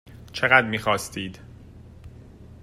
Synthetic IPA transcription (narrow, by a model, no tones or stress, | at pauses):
t͡ʃʰeɣæd̪miːxɒːst̪iːd̪̥